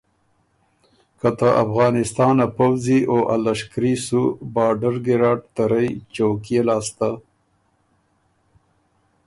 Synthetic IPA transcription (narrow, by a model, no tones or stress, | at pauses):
kat̪aʔafɣɑːnɪst̪ɑːnapawzioʔalaʃkɾisubɑːɖəɾɡɪɾɑːɖt̪aɾəjt͡ʃowkjelɑːst̪a